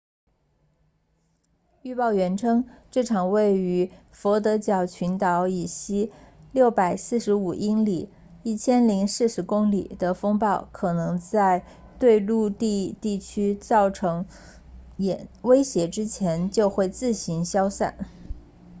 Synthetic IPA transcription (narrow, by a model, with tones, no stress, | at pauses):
y˥˧pɑ˥˩ʊɥɛ˧˥nʈ͡ʂʰɤ˥ŋʈ͡ʂɤ˥˩ʈ͡ʂʰɑ˨˩ŋwe˥˩ɪy˧˥ | fɔ˧˥t̪̬ɤ˧˥t͡ɕjɑ˨˩ʊt͡ɕʰy˧˥nt̪ɑ˧˥ʊi˨˩ɕi˥ljo˥˩ʊpa˨˩ɪsɹ̩˥˩ʂɻ̩˧˥u˨˩ʔi˥nli˨˩ | i˥˩t͡ɕʰjɛ˥nli˧˥ŋʂɹ̩˥˩ʂɻ̩˧˥kʊ˥ŋlḭ˨˩d̪̥ə˦fɤ˥ŋpɑ˥˩ʊkʰɤ˨˩nɤ˧˥ŋt͡sa˥˧ɪ | t̪we˥˧ɪlu˥˧t̪i˥˧t̪i˥˩t͡ɕʰy˥t͡sɑ˥˩ʊʈ͡ʂʰɤ˧˥ŋ | jɛ˧˩nwe˥ɪɕjɛ˧˥ʈ͡ʂɻ̩˥t͡ɕʰjɛ˧˥nt͡ɕjo˥˧ʊxwe˥˧ɪt͡sɹ̩˥˩ɕi˧˥ŋɕjɑ˥ʊsa̰˥˩n